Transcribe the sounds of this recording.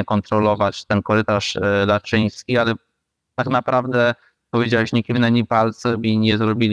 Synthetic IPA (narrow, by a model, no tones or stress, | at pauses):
ɛkɔnt̪ɾɔlɔvat͡ɕt̪ɛnkɔɾɘt̪aʂlat͡ʂɘ̃j̃skʲialɛ | t̪aknapɾavd̪ɛ | pɔvʲjed͡ʑawɛɕɲɛkʲivnɛɲipalt̪sɔmiɲɛzɾɔbʲilʲ